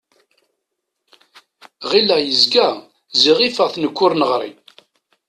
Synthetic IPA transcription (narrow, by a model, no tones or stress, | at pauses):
ʁilæjəzɡæ | ziʁifəʁθnəkʷːʊɾnəʁɾˤḭ